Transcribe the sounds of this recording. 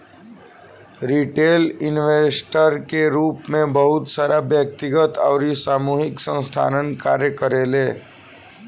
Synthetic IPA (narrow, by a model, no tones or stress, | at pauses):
ɾiʈeːlɪnʋesʈəɾkeɾuːpmẽbəɦʊt̪saːɾabjək̚t̪ɪɡət̪ɔːɾisaːmuːɦɪksə̃nst̪ʰa̰ːnənka̰ːɾjəkəɾeːleː